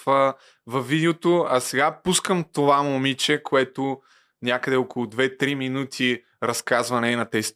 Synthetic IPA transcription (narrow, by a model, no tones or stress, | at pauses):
fə | vɐvid̪ɛot̪oɐsɛɡapuskəmt̪ovamomit͡ʃɛkoɛt̪ʊ | nʲakəd̪ɛokolˠʊd̪vɛt̪ɾiminut̪ʰi | ɾɐskazvɐnɛnɐt̪ɛst̪